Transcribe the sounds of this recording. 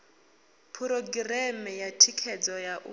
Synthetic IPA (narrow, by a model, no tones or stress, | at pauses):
pʰuɾɔɡirɛmɛjatʰikʰɛd͡zɔjaʔṵ